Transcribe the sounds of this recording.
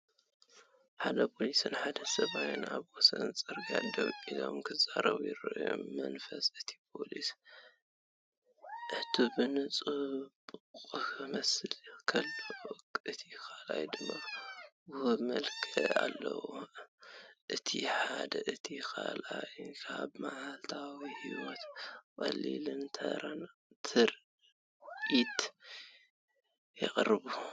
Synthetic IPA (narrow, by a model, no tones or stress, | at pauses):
ħad̪ɐpʰo̞lisɨnħad̪ɐsɐβajɪnaβwɔsɐnsʼɨɾɡad̪ɐβʼizo̞mkʰɨzaɾɐβujɪɾɨʔɨjo̰mːɐnfɐsɨt̪ʰi̥pʰo̞lis | ʔɨt̪ʰubɨnɨt͡sʼubkʼɨkmɐsɨlkʰɐlːɐwkʼʔɨt̪ʰikalajd̪ɨmːawuhumɐlkʰɨalːɐ̰wo | ʔɨt̪ʰḭħad̪ɐʔɨt̪ʰikʰalʔajkʰabmaʕalt̪ʰawihiwɔt̪kʼɐlḭlɨnt̪ʰɐ̰ɾant̪ʰɨɾ | ʔit̪ | jɪχʼɾɨβu